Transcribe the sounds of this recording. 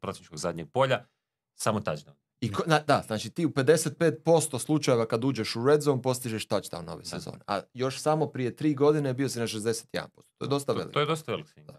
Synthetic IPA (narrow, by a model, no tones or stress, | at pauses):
pɾot̪ienit͡ʃkoɡzad̪ɲeɡ̚po̞ʎa | samot̪ad͡ʒd̪an | iknad̪aznaːt͡ʃit̪iːupe̞d̪e̞set̪̚pe̞ːt̪̚po̞st̪o̞slˠut͡ʃaje̞ʋakad̪uːd͡ʑe̞ʃuɾed̪zonpo̞st̪iʒeʃt̪at͡ʃt̪a̰uno̰ʋejsḛzo̰ːneʔa̰jo̞ʃsamo̞pɾije̞t̪ɾiːɡo̞d̪inebio̞sinaʃ̬ezd̪e̞se̥t̪jed̪a̰npo̞st̪o̥t̪ojed̪o̞st̪aʋḛlḭk̪ojd̪ost̪aʋeliksi